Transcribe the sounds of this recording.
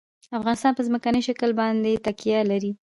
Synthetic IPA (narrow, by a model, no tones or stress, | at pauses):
afɣɑnɪst̪ɑnpəzməkanəjʃakəlbɑnd̪et̪akijalaɾi